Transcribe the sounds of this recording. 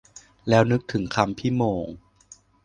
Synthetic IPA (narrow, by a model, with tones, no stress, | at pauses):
lɛː˦˥wnɯ˦˥k̚t̪ʰɯ˩˦ŋkʰa˧mpʰiː˥˩moː˧ŋ